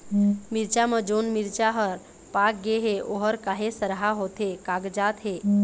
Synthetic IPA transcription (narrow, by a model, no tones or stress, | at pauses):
miɾt͡ʃaməd͡ʒoːnmiɾt͡ʃaɦəɾ | pak̚ɡeɦeʔoɦəɾkaɦesəɾɦaɦot̪ekaɡd͡ʒaːt̪ɦe